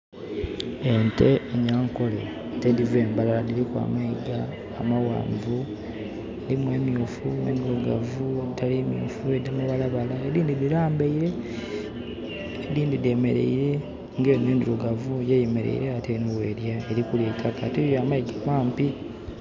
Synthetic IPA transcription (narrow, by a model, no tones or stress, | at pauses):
ente̞ːɲaŋko̞le | tediveːmbalaladiɾikwa̰ːmaiɡaː | mawa̰ːɱvu | elimweːmjofunḛːnduɾoɡavueitaliemjo̰fuedimuβalaβalaeɾiːndidiɾaːmbeiɾe̞ | ediːndideme̞ɾe̞̰iɾe̞ | ŋɡeːneːnduɾuɡavujejemeɾe̞̰ḭɾeatenuweːɾjeːɾikuleːtʰakatejoamaiɡamwaːmpi